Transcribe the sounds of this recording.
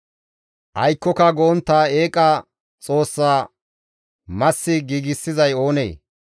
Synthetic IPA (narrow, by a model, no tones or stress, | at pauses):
ʔɐjkːɔkɐɡɔɔnt̪ːaːe̞ːkʼːɐ | t͡sʼo̞ːsːaː | mɐsːɪɡiːɡɪsːɪzɐjo̞ːnḛː